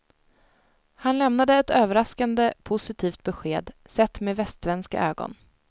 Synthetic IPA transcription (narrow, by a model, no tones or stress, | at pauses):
hanlɛmnad̪əɛt̪øːvəɾaskand̪əpʰʊsɪt̪ʰiːft̪̚bɛɧeːd̪sɛt̪ːmeːvɛst̪vɛnska̰ʔøːɡɔ̰n